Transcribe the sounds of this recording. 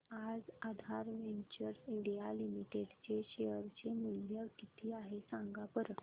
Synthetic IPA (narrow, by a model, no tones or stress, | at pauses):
ad͡zad̪ʱaɾʋeɲt͡ɕəɾsiɳɖijalimiʈeɖt͡ɕeɕeəɾt͡ɕemiljəkit̪ʰiːaɦesãŋɡapəɾ